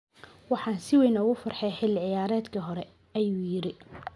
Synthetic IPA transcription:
wɑħɑːnsɪwɛjnɔːɣʊfɐrħɛjħɪlɪʕɪjaːɾɛːd̪kʰɐɦɔɾɛ | ɐjuːjɪɾɪ

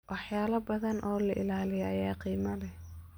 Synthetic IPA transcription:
wʔɑħjaːlɐbɐðɐnʔɔːlɐʔɪ̰laːlɪjɐʔɐjaːqiːmɐlɛ

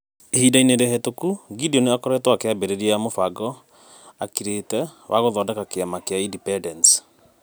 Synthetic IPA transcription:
ehidaineɾehɛtokuɡidiɔneakɔɾɛtwakeabɛɾeɾijamofaɡɔ | akiɾetɛwaɣɔðɔdakakeamakeaindipɛdɛnt

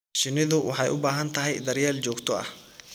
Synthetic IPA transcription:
ʃɪnɪðʊwʔɑ̰ħɑjʊbaːɦɐnt̪ʰɐɦɛjd̪ɐrjaːlt͡ʃɔːɡt̪ʰɔɐ̰h

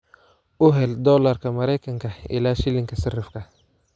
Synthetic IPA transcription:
ʊɦɛld̪ɔːlɐrkʰɐmɐɾɛjkʰɐŋkʰɐɪ̰laːʃɪlɪŋkʰɐsɪrɪfkʰɐ

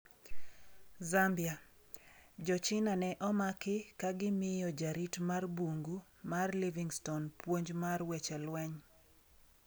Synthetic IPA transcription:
zambija | d͡ʒɔt͡ʃɪnanɛʔɔmakɪkaɡɪmɪjɔd͡ʒaɾitmarboŋɡu | marliviŋstonpwoɲd͡ʒmarwɛt͡ʃɛlwɛɲ

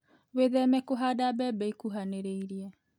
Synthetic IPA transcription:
weðɛmɛkoɦaːdabɛbɛikuɦaneɾeiɾiɛ

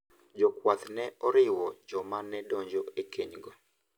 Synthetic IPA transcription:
d͡ʒɔkwat̪nɛɔɾɪwɔd͡ʒɔmanɛdɔɲd͡ʒɔekeɲɡɔ

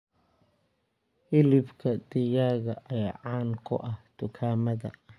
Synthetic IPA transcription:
ɪlɪbkʰɐd̪ɪjaːɣɐʔɐjaːʕaːnkʰʊ̰ʔɐhd̪̥ʊkʰaːmɐðɐ̰

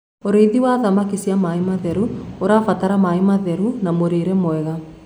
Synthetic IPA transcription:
oɾeiðiwaðamakisiamaemaðɛɾuoɾafataɾamaemaðɛɾunamoɾeɾɛmoɛɣa

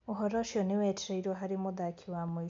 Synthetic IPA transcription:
uɦoɾoʃoniwetɾeiɾoɦaɾimuðakʰiwamwi

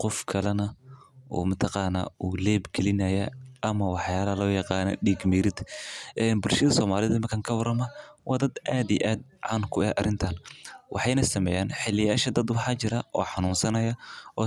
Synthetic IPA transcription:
qɔfkʰɐlɐnɐʔɔ̰ːmɐt̪ʰɐqɑːnaːʔuːlɛːbɡɛlɪnɐjɐʔɐmɐwɑħjaːlɐɐlɔːjɑqɑːnɐ̰ɖiɡmiːɾɪd̪ʔɛːnbʊlʃɐðɐsɔːmaːlɪðɐmɐkʰaːŋkʰɐwɐrɐmɐ | wʔɑːd̪ɐd̪ʔaːd̪ijʔaːd̪̚ʕɑnkʰʊɛʔɐ̰rɪnt̪ʰaːnwʔɑ̰ħɑjnɐsɐmɛjaːnħɪlɪjaːʃɐd̪ɐd̪wɑħɑːt͡ʃɪɾɐʔɔ̰ːħɑnuːnsɐnɐjɐʔɔː

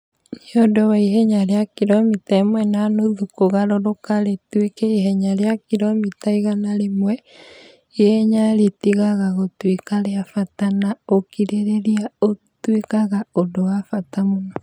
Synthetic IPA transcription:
niodowaiɦɛɲaɾeakiɾɔmitaemwɛnanoðukoɣaɾɔɾokaɾetwekɛiɦɛɲaɾeakiɾɔmitaiɣanaɾemwɛ | eɲaɾetiɣaɣaɣotwekaɾeafatanaokiɾeɾeɾiaotwekaɣaodowafatamonɔ

